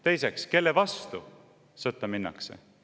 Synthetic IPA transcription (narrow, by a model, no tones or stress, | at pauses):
t̪e̞jsekske̞lːevɑst̪u | sɤt̪ːˑɑminːɑ̰kse̞̰